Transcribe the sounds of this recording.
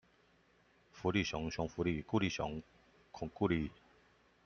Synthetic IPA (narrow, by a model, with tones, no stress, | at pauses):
fu˨˧˦li˥˧˨ɕjɔ˨˦ŋɕɔ˨˧˦ŋfu˧˦li˥˧˨ku˥˧li˥˩ɕɔ̰˨˦ŋ | kʰʊ˨˩ŋku˥˧li˥˧